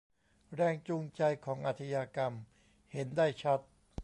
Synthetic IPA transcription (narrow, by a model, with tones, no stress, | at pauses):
ɾɛː˧ŋt͡ɕu˧ŋt͡ɕa˧jkʰɔː˩˦ŋʔa˧˩t̪ʰa˧jaː˧ka˧m | he˩˦ndaː˥˩jt͡ɕʰa˦˥t̪̚